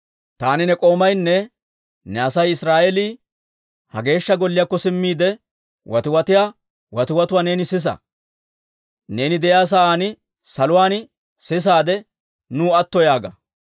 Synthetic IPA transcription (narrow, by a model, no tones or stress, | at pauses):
t̪aːnɪnɛkʼo̞ːmɐjnːɛ | nɛɐsɐjɪsɾaːʔɛliː | hɐɡe̞ːʃːɐɡɔlːɪjaːkːɔsɪmːiːd̪ɛ | wʔɐt̪ɪwɐt̪ɪjaː | wɐt̪ɪwɐt̪ʊwaːne̞ːnɪsɪs̬ɐ̰ | ne̞ːnɪd̪ɛjaːs̬aaːnɪ | sɐlʊwaːn | sɪs̬aːd̪ɛ | nuːɐt̪ːɔjaːɡɐ̰